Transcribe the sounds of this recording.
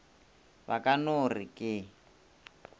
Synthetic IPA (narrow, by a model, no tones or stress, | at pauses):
βakʼanorikʼɪ